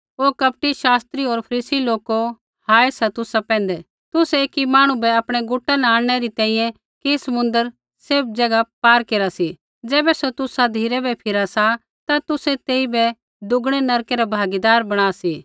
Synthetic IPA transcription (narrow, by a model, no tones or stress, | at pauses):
oːkɐp̚ʈiʃaːst̪ɾiɔːɾpʰɐɾiːsiloːko | haːesat̪ʊsapɛ̃ːnd̪ɛ | t̪ʊseːkimaːɽ̃ũbɛɐpɽ̃ɛɡʊʈanɛaːɽɽ̃ɛɾit̪ɛ̃ːĩjɛ̃ | kisɐmʊ̃nd̪əɾ | sɪɾb̚d͡ʒɐɡapaːɾkeːɾasi | d͡ʒɛːbɛsot̪ʊsad̪ʱiːɾɛbɛpʰɪɾasa | t̪at̪ʊsɛt̪eːibɛ | d̪ʊɡɽ̃ɛnɐɾkɛɾabʱaːɡid̪aːɾbɐɽ̃aːsiː